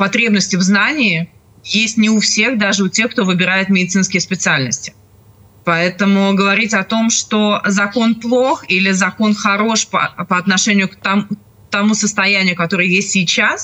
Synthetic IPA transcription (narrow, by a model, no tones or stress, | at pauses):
pɐt̪ɾʲe̞bnəsʲtʲɪvznanʲɪːɪ | jesʲtʲnʲɪʊfsʲe̞xd̪aʐɨʊtʲe̞xkt̪o̞vɨbʲɪɾajɪt̪mʲɪdʲɪt̪sɨnskʲɪjəspʲɪt̪sɨalʲnəsʲtʲɪ̥ | pɐɛt̪əmʊɡəvɐɾʲitʲɐt̪o̞mʂt̪ozɐko̞nplˠo̞xilʲɪzɐko̞nxɐɾo̞ʂpə̰pəɐt̪nɐʂɛnʲɪjʊkt̪ɐm | t̪ɐmusəst̪ɐjænʲɪjʊkɐt̪o̞ɾɨjjesʲtʲsʲijt͡ɕas